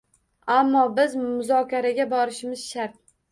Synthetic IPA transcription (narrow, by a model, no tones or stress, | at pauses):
amːɒbɪzmʊzɒkʲʰaɾaɡʲabɒɾɪʃɪmɪzʃaɾt̪̚